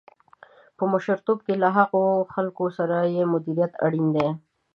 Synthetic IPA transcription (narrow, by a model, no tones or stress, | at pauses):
pəmʊʃəɾt̪ob̚kelaɦaqoxalkosaɾajemʊd̪iɾijat̪a̰ɽind̪e